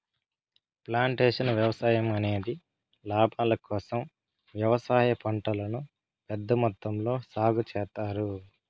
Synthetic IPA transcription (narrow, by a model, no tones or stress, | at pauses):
plaːɳʈeːʂɐnʋjɐʋɐsaːjɐmɐne̞ːd̪i | laːbʱaːlɐkɔːsɐm | ʋjɐʋɐsaːjɐpɐɳʈɐlɐnu | pɛd̪ːɐmɔt̪ːɐmlo̞ːsaːɡut͡ʃɛːt̪ːaːɾu